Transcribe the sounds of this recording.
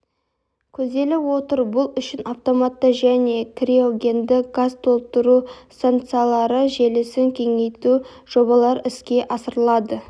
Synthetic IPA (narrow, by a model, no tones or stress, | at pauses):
kʲʰɵzd̪e̞lɪwo̞t̪əɾbʊlˠʏʃɪnʔaft̪o̞mat̪ːəʒæne̞kʰrio̞ɡʲe̞nd̪ɪɡazt̪ʰo̞lˠəp̚t̪ʊɾust̪ant̪salˠɑɾəʒe̞lɪsɪŋkʲʰe̞ŋe̞jt̪u | ʒ̥o̞bɑlˠɑɾɪskʲe̞ʔɑsəɾəlˠɑd̪ə